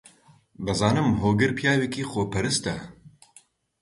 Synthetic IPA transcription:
bɨzɑːnɨmɦoːɡɨɾpjaːwekiːxoːpʰɐɾɨst̪ɐ

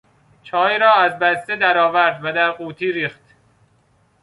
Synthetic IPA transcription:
t͡ʃʰɒːjɾɒːæzbæst̪ed̪æɾɒːvæɾd̪væd̪æɾɢuːt̪ʰiːɾiːxt̪

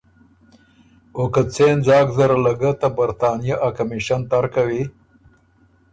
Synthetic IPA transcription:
okat͡send͡zɑːkzaɾalaɡət̪abaɾt̪ɑːnijaʔakamiʃant̪aɾkawi

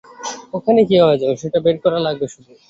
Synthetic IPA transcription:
okʰanekiɦɔed͡ʑabeʃeʈabeɾkɔɾalaɡ̚beʃud̪u

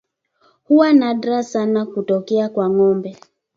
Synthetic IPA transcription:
huwanaɗɾasanakutɔkɛakwaŋɔmbɛ

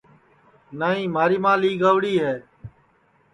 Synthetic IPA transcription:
naːɦĩːmaːɾiːmãːliːɡəːʋɽiːɦɛː

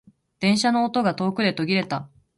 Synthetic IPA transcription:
d̪̥ẽ̞ɰ̃ɕano̞ːt̪o̞ɡat̪o̞ːkɯ̟d̪e̞t̪o̞ɡʲiɾe̞t̪a

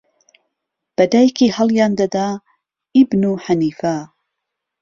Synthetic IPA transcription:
b̥ɐd̪ajkihɐlˠjaːnd̪ɐd̪a | ibnuħaniːfa

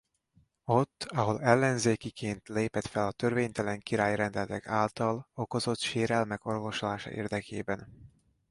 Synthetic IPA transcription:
o̞t̪ːɒɦo̞lɛlːɛnzeːkikʰeːnt̪leːpɛt̪fɛlɒt̪ørveːɲt̪ɛlɛŋkiɾaːjrɛnd̪ɛlɛt̪ɛkaːlt̪ɒlo̞ko̞zo̞t̪ʃeːɾɛlmɛko̞rvo̞ʃolaːʃɒ̰ʔḛːrd̪ɛkʰḛːbɛn

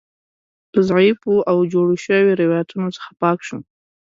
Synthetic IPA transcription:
tʰɨzʕipʰʼuawd͡ʒoɽuʃawiɾewajatʰunot͡sḁχapʰakʰʂu

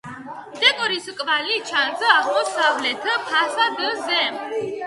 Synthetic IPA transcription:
d̪̥ɛkʼɔɾiskʼvalit͡ʃʰanzəaʁmɔsavlɛt̪ʰəpʰasad̪əzɛm

